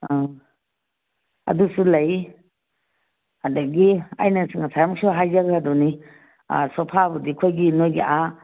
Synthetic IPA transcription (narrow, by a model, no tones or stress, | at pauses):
ɐ̰dusulɐj | hadɐɡiɐ̰jnasɯŋasʰajamksoɦajzaɡaːdɔnḭ | sɔpʰabɐdikʰojɡinojɡḭʔa